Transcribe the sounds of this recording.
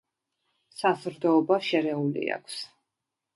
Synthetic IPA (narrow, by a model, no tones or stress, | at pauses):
sazɾd̪ɔːbaʃɛɾɛulḭa̰kʰs